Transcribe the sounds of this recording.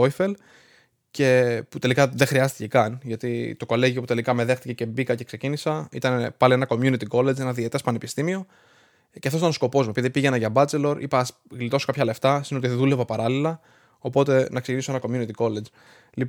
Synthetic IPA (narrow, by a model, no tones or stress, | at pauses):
ofel | ce̞put̪e̞likɐðe̞xɾiɐst̪i̥ce̞kɐnʝɐt̪it̪o̞ko̞leʝio̞put̪e̞likɐme̞ðe̞xt̪ice̞ce̞bikɐce̞kse̞cinisɐit̪ɐnpɐlie̞nɐko̞mjunit̪iko̞le̞d͡ze̞nɐðiet̪espɐnepist̪imio̞ | ceɐfos̬it̪ɐnsko̞po̞zmupiðipiʝe̞nɐʝɐbɐt͡se̞lo̞ɾʔḭpɐs | ɣlit̪o̞sokɐpçɐle̞ft̪ɐsineot̪iðule̞vɐpɐɾɐlilɐ | o̞po̞t̪e̞nɐkse̞ciniso̞enɐko̞mjunit̪iko̞led͡z | li